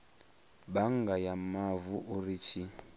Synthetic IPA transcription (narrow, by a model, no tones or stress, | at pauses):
baŋɡajamavuʔurit͡ʃʰi